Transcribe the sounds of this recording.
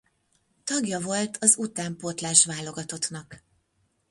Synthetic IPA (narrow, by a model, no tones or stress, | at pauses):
t̪ɒɡjɒvo̞lt̪ʰɒzut̪aːmpot̪laːʃʋaːlo̞ɡɒt̪ot̪nɒk